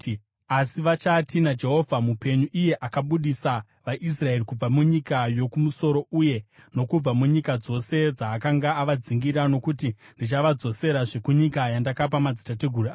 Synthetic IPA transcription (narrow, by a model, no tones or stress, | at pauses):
asiʋat͡ʃatinad͡ʒe̞ɦo̞vʱamupe̞ɲuʔije̞ʔakaɓuɗisa | ʋaʔis̬rae̞ɾikub͡vamuɲikajo̞kumuso̞ɾo̞uje̞ | no̞kub͡vamuɲikad͡zo̞se̞d͡zaːkaŋɡaːʋad͡ziŋɡiɾano̞kuti | ndit͡ʃaʋad͡zo̞se̞ɾaʐe̞kuɲikajandakap̬amad͡zitateɡʱuruaː